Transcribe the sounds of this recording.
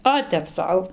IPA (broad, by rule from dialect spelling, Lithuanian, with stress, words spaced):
ˈoː tʲɛp ˈsɐʊ